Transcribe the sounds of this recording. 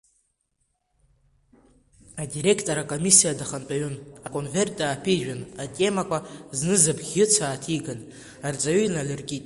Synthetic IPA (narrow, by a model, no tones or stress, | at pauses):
adiɾe̞kʰtʼoɾakʼo̞misijadaχant͡pʼaɥʏnakʼo̞nve̞rtʼaːpʰiʒᶣanatʼe̞makʷʼaznɨzabʰɡʲɪt͡sʷʰaːtʰiɡan | art͡sʼaɥynalerɡʲʼitʼ